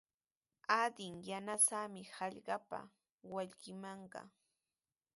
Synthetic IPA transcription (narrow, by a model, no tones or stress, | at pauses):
ad̪ɪŋjanasamɪhɑʎɢɑpa̰ | waʎɢɪmɑɴɢɑ̰